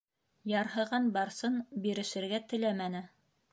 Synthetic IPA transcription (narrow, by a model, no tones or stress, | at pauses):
jɑɾɦɤ̆ʁɑnbɑɾsɤnbiɾɘ̆ʃɘ̆ɾɡæt̪ɘ̆læmænɘ